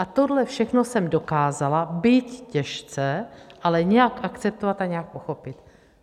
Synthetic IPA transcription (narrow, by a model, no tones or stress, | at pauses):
ʔat̪odlɛfʃɛxnosɛmdo̞kaːzalabit̪cɛʃt͡sɛʔalɛɲɛjakʔakt͡sɛp̚t̪ovat̪aɲɛak̚poxo̞pɪt̪